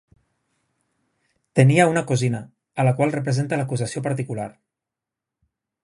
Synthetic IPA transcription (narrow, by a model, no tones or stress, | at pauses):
t̪əniəunəkozinəː | ləkwalˠrəp̬ɾəzent̪ələkuzəsiopəɾt̪̬ikula̰ɾ